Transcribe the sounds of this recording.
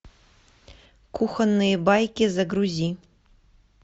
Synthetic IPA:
kʰuxɐnːɨjɛbajkʲizɐɡɾuzʲi

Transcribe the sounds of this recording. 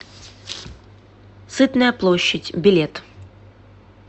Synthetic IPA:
sɨt̪nəjɐplˠɔɕːɐtʲbʲilʲet̪

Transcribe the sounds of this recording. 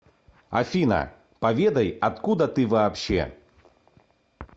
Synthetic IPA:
a̰fʲinɐ̰ | pavʲed̪ɐjat̪kud̪ɐt̪ɨvaːpɕɛ̰

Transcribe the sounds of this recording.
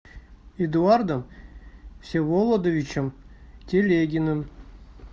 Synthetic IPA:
ed̪uard̪əm | fsʲevolˠod̪ovʲit͡ɕə̆mtʲelʲeɡʲinəm

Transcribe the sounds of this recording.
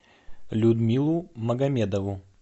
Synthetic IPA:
lʲud̪mʲilˠumɐɡɐmʲed̪ɐvʊ

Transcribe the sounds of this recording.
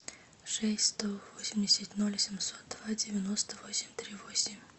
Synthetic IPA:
ʂɛsʲst̪ɔvɔsʲmʲdʲɪsʲatʲnulʲsʲɪmsɔt̪̚d̪vad͡zʲɪvʲjanɔst̪əvɔsʲɪmʲt̪ɾʲivɔsʲɪmʲ

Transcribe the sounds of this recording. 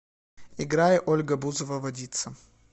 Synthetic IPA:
ɪɡɾajɪʔolʲɡəbuzəvəvɐdʲit̪sə

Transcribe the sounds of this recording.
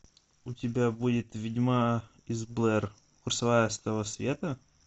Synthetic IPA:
ʊtʲɪbʲabudʲɪt̪vʲɪdʲma | ɪzblˠɛr | kʊrsɐvajəst̪əvəsvʲe̞t̪ə

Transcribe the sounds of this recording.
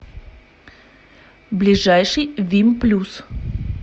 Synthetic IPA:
blʲɪʐajʂɨjvʲimplʲus

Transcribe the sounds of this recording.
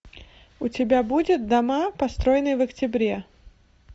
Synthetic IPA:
ʊtʲɪbʲabudʲɪt̪̚d̪ɐmapɐst̪ɾojɪnɨjvəktʲɪbɾʲe

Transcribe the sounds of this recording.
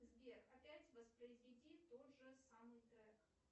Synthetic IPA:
zbʲekɐpʲætʲvəspɾəɪzvʲɪdʲit̪o̞t̪ʐɨsamɨjt̪ɾɛk

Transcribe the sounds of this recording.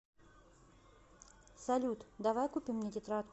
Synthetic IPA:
sɐlʲut̪d̪avajkupʲimnʲɛd̪ʲɪt̪ɾat̪

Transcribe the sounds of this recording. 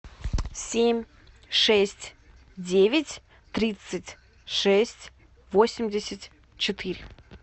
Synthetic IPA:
sʲemʲ | ʂɛsʲtʲ | dʲevʲɪtʲ | t̪ɾʲit̪sɨtʲ | ʂɛsʲtʲ | vo̞sʲɪmʲdʲɪsʲətʲ | t͡ɕɪt̪ɨɾʲɪ

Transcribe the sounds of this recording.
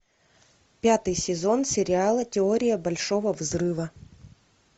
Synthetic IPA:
pʲat̪ɨjsʲɪzo̞nsʲɪɾʲɪalˠətʲɪo̞ɾʲɪjəbɐlʲʂo̞vəvzrɨvə

